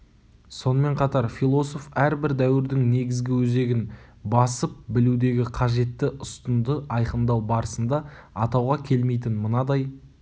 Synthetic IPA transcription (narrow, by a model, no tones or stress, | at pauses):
so̞nəme̞ɴqʰɑt̪ɑɾfilˠo̞so̞fæɾbɪɾd̪æwɪɾd̪ɪŋne̞ɡʲɪzɡʲɪwɵze̞ɡʲɪn | bɑsəp̚bɪlud̪e̞ɡʲɪqʰɑʒe̞t̪ːɪʔʊst̪ənd̪əɑjqənd̪ɑwbɑɾəsənd̪ɑɑt̪ɑwʁɑkʲʰe̞lme̞jt̪ɪnmənɑd̪ɑj